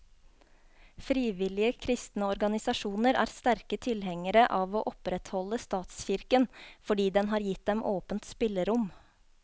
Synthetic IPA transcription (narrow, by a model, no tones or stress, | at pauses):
fɾiːʋɪlɪəkʰɾɪst̪nəɔɾɡɑnɪsɑʃuːnəɾæ̰ːɾst̪æɾkət̪ʰɪlhɛŋəɾəʔɑːʋoːʔɔpɾɛt̪hɔləst̪ɑːt̪sçɪɾkənfɔɖiːd̪ɛnɦɑːɾjɪt̪̚d̪ɛmʔoːpənt̪spɪləɾʊm